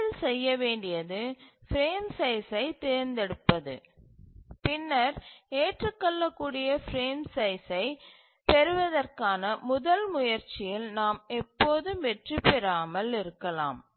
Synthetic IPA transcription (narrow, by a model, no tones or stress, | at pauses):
ɐlsɛjːɐʋeːɳɖɪjɐðɯfɾeːmsɐɪsɐɪt̪ɛːɾnd̪ɛɽɯpːɐðɯ̰ | pɪnːɐɾeːʈrɯkːɔɭːɐkːuːɽɪjɐfɾeːmsɐɪsɐɪ | pɛɾɯʋɐðɐrkaːnɐmʊðɐlmʊjɐɾt͡ʃːɪjɪlnaːmɛpːoːðɯmʋɛʈrɯpːɛɾaːmɐlɪɾɯkːɐla̰ːm